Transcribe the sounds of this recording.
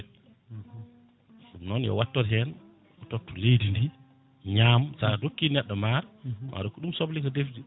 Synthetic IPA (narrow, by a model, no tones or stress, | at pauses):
fumnɔnjɔ̰watːɔɾɦɛn | ɔtɔtːulejdindi | ɲamsadokːinɛɗːɔmaɾmʔa̰ɗɔkːuɗumsɔblikɔdefdi